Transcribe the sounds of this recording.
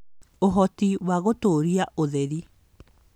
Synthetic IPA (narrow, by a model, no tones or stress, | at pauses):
oɦɔtiwaɣotoɾiaʔoðeɾi